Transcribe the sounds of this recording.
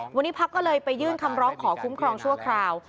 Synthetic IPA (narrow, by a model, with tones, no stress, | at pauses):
wa˧nːiː˦˥pʰa˦˥kːɔː˥˩lɤː˧jpa˧jːɯː˥˩nkʰa˧mɾɔː˦˥ŋkʰɔː˩˦kʰu˦˥mkʰɾɔː˧ŋt͡ɕʰu˥˩ɐkʰɾaː˧w